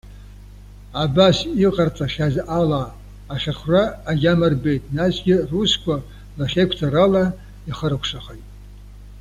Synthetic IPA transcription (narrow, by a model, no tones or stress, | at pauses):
abasiqʼart͡sʼaʃʲazʔalaː | χʲaχraːɡʲamɨrbejtʼnasɡʲɪruskʷa | laχʲekʷʰtʰaɾala | iχəɾakʷʰʂaχajtʼ